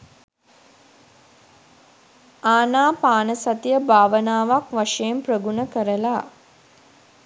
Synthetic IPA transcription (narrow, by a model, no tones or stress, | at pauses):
aːnaːpaːnəsat̪ijəbʱaːʋənaːʋakʋaʂejemprəɡunəkəɾəlaː